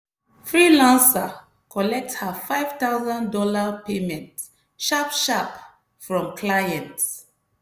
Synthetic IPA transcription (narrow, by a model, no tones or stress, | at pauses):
fɹilãnsa | kʰɔlɛk̚thafaɪv̥t̪awzãndɔlapemɛ̃nt | ʃapʃap | fɹɔ̃mkʰlajɛ̃nt